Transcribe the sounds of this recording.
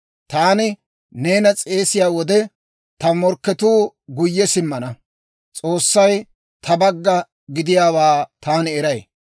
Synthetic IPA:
t̪aːnɪ | neːnɐt͡sʼe̞ːsɪjaːwɔd̪ɛ | t̪ɐmɔɾkːɛt̪uːɡʊjːɛsɪmːɐnɐ | t͡sʼoːsːɐj | t̪ʰɐbɐɡːɐ | ɡɪd̪ɪjaːwaːt̪aːnɪɛɾɐj

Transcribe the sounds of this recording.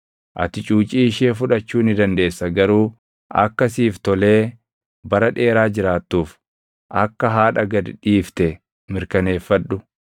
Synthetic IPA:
ʔɐ̰t̪ɪt͡ʃʼuːt͡ʃʼiːɪʃeːfʊᶑɐt͡ʃːuːnɪd̪ɐnd̪e̞ːsːɐɡɐɾuː | ʔɐ̰kːɐsiːft̪ɔle̞ː | bɐɾɐᶑe̞ːɾaːd͡ʒɪɾaːt̪ːuːf | ʔɐkːɐɦaːᶑɐɡɐd̪ᶑiːft̪ɛ | mɪɾkɐne̞ːfːɐᶑʊ

